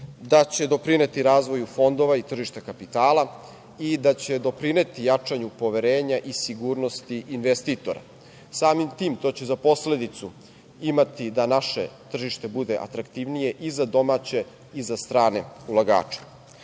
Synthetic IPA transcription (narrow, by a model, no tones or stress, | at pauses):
d̪at͡ɕe̞d̪o̞pɾine̞t̪iɾaːzʋo̞jufo̞nd̪o̞ʋait̪r̩ʒiʃt̪akapit̪aːla | id̪at͡ɕe̞d̪o̞pɾineːt̪ijat͡ʂaɲupo̞ʋe̞ɾeːɲaʔisiɡuːɾno̞st̪iʔinʋest̪it̪o̞ɾa̰ | saːmimt̪iːmt̪o̞ːt͡ɕe̞zapo̞sle̞d̪it̪su | imat̪id̪anaʃe̞̰t̪r̩ʒiʃt̪e̞bud̪e̞ʔa̰t̪ɾakt̪iʋnije̞ʔizad̪o̞maːt͡ɕe̞ | izast̪ɾaːne̞ulˠaɡa̰ːt͡ʂe̥